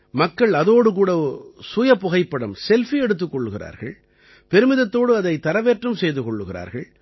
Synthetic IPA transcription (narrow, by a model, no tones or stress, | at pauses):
mɐkːɐɭɐðoːɽɯkuːɽɐsʊjɐpːʊɣɐɪpːɐɽɯmsɛlfiɛɽɯt̪ːɯkːɔɭːɯɣɪra̰ːɾɣɐ̰ɭ | pɛɾɯmɪðɐt̪ːoːɽɯɐðɐɪt̪ːɐɾɐʋeːʈrɯmsɛjðɯkɔɭːɯɣɪra̰ːɾɣɐɭ